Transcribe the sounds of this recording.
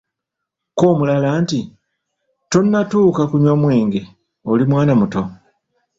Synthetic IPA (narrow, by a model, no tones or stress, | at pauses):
ko̞ːmulalaːnti | tonːatuːkakuɲwamwe̞ːŋɡe̞ | olimwaːnamuto̞